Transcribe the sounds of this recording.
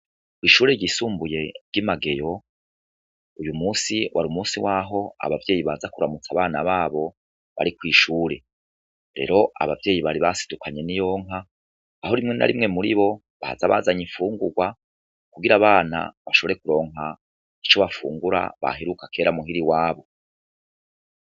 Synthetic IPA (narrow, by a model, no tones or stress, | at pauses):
kwiːʃuːɾeɾɟisuːmbuje̞ɾɡimaɡe̞jo̞ | ujumuːsiwʔaɾumuːsiwaːɦo̞a̰βavjeːjiβazakuɾamut͡saβaːnaβaːβo̞ | βa̰ɾikwiːʃuːɾe̞ | ɾe̞̰ɾo̞ʔa̰βavje̞ːjiβaɾiβasi̥dukʰaɲe̞nijo̞ːŋɦaː | ɦo̞ɾimŋe̞na̰ɾimŋe̞muɾiβo̞ | βa̰zaβazaɲiɱfuːŋɡuɡwa | kuɡiɾaβaːna̰βaʃo̞βo̞ɾekuɾo̞ːŋɦa | it͡ʃoβafṵːŋɡuɾa̰βa̰ɦeɾukake̞ːɾamuɦiɾiwaːβo̞